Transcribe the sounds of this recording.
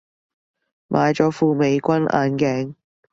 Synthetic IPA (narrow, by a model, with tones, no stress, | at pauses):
mʔaː˨˧jt͡ʃɔː˨˧˥fuː˧me˨˧jkʷɐ˥nʔa̰ː˧nkɛː˨˥ŋ